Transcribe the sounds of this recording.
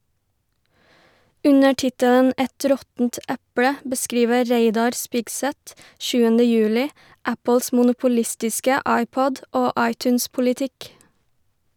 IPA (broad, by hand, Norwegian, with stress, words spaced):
ˈʉɲə ˈʈɪtələn ˈʔɛt ˈɾɔtn̩t ˈæpɽə bəˈskɾiːʋə ˈɾeɪdɑɾ ˈspɪɡˌsæt ˈʃʉːənə ˈjʉːlɪ ˈʔæpl̩s mʊnʊpʊˈlɪstɪskə ˈʔɑɪˌpɔd ˈoː ˈʔɑɪˌtʉːnspʊlɪˌtɪk